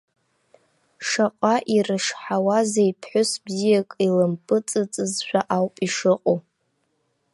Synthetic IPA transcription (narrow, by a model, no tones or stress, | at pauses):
ʂaqʼaʔirɨʂħawazaipʰħʷʊsbzijakʼilɨmpʼɨt͡sʼɨt͡sʼɨzʃʷᶣaʔawpʼiʂɨqʼo